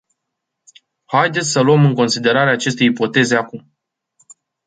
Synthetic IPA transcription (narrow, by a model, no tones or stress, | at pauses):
hajd̪esʲsəluəmɨŋko̞nsid̪e̞ɾaɾeaːt͡ʃe̞st̪e̞ipo̞t̪e̞ze̞akum